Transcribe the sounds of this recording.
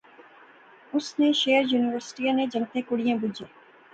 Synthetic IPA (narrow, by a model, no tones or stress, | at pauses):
ʊsneʃeːəɾjuːnɪʋəɾsɪ̥ʈiãned͡ʒɐ̃ŋt̪ẽkʊɽijãbʊd͡ʒeː